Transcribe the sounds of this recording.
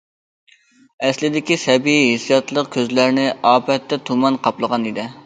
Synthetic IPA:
ɛslɪd̪ɪkʲisɛbiiɦesijɑt̪lˠəqkʲʰøzlæɾnɪɑːpʰɛt̪ːɛt̪ʰumɑnqʰɑplˠəʁɑnid̪ɪ

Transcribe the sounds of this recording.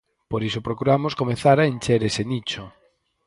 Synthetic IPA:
poɾisopɾokuɾamoskomeθaɾaent͡ʃeɾesenit͡ʃo

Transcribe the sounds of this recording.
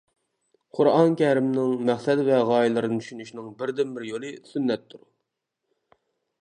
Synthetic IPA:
qʰʊɾɑnkʲʰɛɾɪmnɪŋmæχsɛd̪vɛʁɑːjilˠɨɾɨnɨt̪ʰy̥ʃynyʃnɪŋbɪɾd̪ɪmbɪɾjolˠɨsynːɛt̪ʰːuɾu

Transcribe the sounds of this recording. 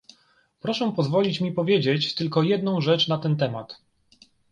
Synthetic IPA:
pɾɔʂɛpɔzvɔlʲit͡ɕmʲipɔvʲjed͡ʑet͡ɕt̪ɘlkɔjɛd̪nɔ̃w̃ʐɛt͡ʂnat̪ɛnt̪ɛma̰t̪

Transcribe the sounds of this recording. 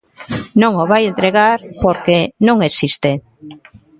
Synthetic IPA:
nõŋoβajent̪ɾeɣaɾpoɾkenõŋesist̪e

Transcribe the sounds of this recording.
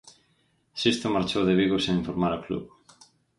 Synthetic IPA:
sist̪omaɾt͡ʃowðeβiɣoseiɱfoɾmaɾaklṵβ

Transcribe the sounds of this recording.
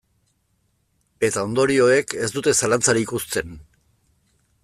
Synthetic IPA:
e̞t̪ao̞nd̪o̞ɾio̞eke̞sd̪ut̪e̞salant͡saɾiikust͡s̪e̞n

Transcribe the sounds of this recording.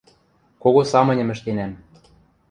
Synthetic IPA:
koɣosɑmɤ̆nʲɤ̆mɘ̆ʃt̪enæm

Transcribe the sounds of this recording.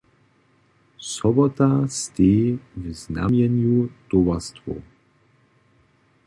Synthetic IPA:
sɔbɔt̪ast̪eːvzna̰mjɛnjut̪ɔvast̪vo̰

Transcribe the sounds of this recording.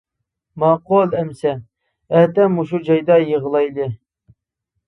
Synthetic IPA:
mɑqolˠɛmsɛ | ɛt̪ɛmuʃud͡ʒɑjd̪ɑjəʁəlˠɑjd̪ɨ

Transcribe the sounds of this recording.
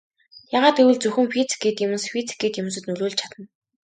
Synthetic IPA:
jaːʁaːt̪ewɘ̆ɮt͡sɵxɘ̆mfit͡sɡeːt̪jemɘ̆nsfit͡sɡeːt̪jɵmɘ̆sɘ̆t̪nɵɮuːɮt͡ɕʰat̪ə̆n

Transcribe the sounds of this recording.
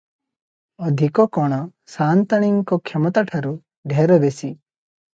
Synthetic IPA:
ɔd̪ʱikɔkɔɽ̃ɔsant̪aɽ̃iŋkɔkʰemɔt̪aʈʰaɾu | ɖʱeɾɔd̪esi

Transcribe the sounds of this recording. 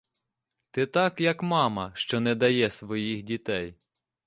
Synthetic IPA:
t̪ɪt̪ɑkjɐkmɑmɐʃt͡ʃɔnɛd̪ɐjɛsʋɔjixdʲit̪ɛj

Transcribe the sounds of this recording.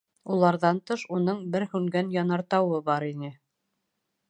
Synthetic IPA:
ulˠɑɾðɑnt̪ɤʃunɤɴbɘɾhʉŋɡænjɑnɑɾt̪ɑwɤbɑɾinɘ

